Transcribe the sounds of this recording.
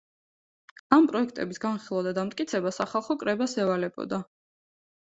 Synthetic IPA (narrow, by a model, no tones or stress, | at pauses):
ampʼɾɔɛk̚ʰt̪ʼɛbisɡanχilˠavd̪ad̪amt̪ʼkʼit̪sʰɛbasaχalˠχɔkʼɾɛbasɛvalɛbɔ̰d̪a